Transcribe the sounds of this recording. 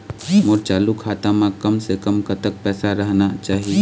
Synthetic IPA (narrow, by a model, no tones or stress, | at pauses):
moːɾt͡ʃaːlukʰaːt̪ãmãkɐmsekəmkɐt̪ək̚pɛːsaɾəɦnat͡ʃaːɦi